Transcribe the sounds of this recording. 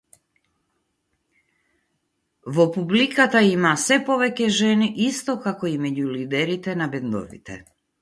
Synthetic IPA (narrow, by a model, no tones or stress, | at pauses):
ʋopublikat̪aimasɛpoʋɛkɛʒɛniʔist̪okakoimɛɟulid̪ɛɾit̪ɛnabɛnd̪o̰ʋḭt̪ɛ̰